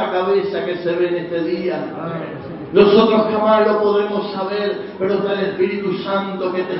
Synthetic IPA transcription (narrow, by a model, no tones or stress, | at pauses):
akaβesakeseβenest̪eðia | losot̪õkʰemaɾlopoðɾemossaβeɾpeɾot̪elespiɾit̪usãnt̪oket̪e